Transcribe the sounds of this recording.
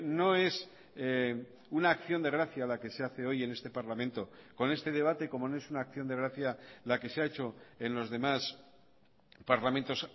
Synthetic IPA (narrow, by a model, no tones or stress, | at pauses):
no̞e̞s | unaːkθjo̞nd̪e̞ɣ̞ɾaθjalake̞seaθe̞o̞je̞ne̞st̪e̞paɾlamẽ̞nt̪o̞ko̞ne̞st̪e̞ð̞e̞β̞at̪e̞ko̞mo̞noe̞sunaːkθjo̞nd̪e̞ɣ̞ɾaθjalake̞seae̞t͡ʃo̞e̞nlo̞zðe̞mas | paɾlament̪o̞s